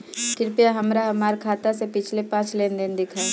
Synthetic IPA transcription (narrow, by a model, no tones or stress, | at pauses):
kɾpijaɦɐmɾaɦɐmaːɾkʰaːt̪asepɪt͡ʃʰlepãːt͡ʃlend̪ɪnd̪ɪkʰa